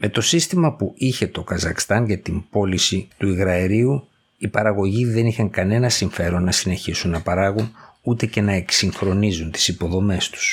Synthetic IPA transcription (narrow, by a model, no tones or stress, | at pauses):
me̞t̪o̞sist̪imɐpuiçe̞t̪o̞kɐzɐxst̪ɐnʝɐt̪imb̥o̞lisit̪uiɣɾɐeɾiu | ipɐɾɐɣo̞ʝiðe̞nixɐŋkɐne̞nɐsiɱfe̞ɾo̞nːɐsine̞çisunːɐpɐɾɐɣunut̪e̞ce̞nɐe̞ksiŋxɾo̞nizunt̪i̥sipo̞ðo̞me̞st̪u̥s